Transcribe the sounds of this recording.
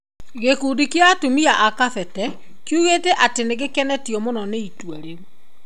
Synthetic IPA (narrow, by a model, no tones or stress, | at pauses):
ɣekudikjatumiaʔakafɛtɛ | kjuɣetɛʔateneɣekɛnɛtiɔmonɔneitwaɾeɾo